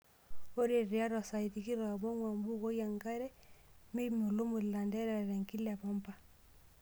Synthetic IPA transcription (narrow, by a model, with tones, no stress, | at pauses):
o˦ɾe˨ɾi˨a˦ɾwa˨sa˨i˨ti˨ki˦ɾɔ˨a˨bɔ˦ŋwa˨mbu˦ko˦ja˨ŋɡa˦ɾɛ˦me˦mo˨lo˦mo˨lla˨ndɛ˦ɾa˨ɾɛ˨ŋki˦la˨pa˦mpa˦